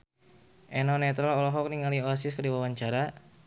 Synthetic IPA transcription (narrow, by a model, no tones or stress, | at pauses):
ʔɛnɔnɛt̪ɾɔlɔlɔɦɔk̚niŋalioasiskərdiwawaɲt͡ʃaɾa